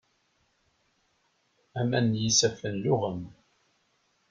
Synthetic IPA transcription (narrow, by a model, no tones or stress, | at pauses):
æmænːjisæfənlʊʁəm